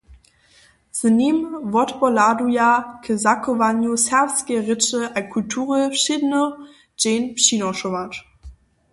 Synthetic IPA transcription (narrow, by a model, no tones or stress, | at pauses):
z̥əniːmvɔtbɔladujakʰəzakʰovanjosɛʁsɡ̥eʁət͡ʃəʔakʰultʰuːʁəlfʃidənə | d͡ʒ̥eːnpʃiːnɔʃovat